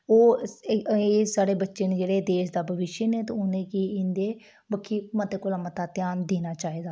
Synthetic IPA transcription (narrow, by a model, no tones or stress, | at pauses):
oː | eːsaːɽeːbətːʃeːnd͡ʒeːɽeːd̪eːʃd̪aːbʱəʋɪʃənẽːt̪oʊnẽːkiːɪnd̪eː | bəkʰːiːmət̪eːkʊlaːmət̪aːt̪ɪjaːnd̪eːnaːt͡ʃaːɦiːd̪aː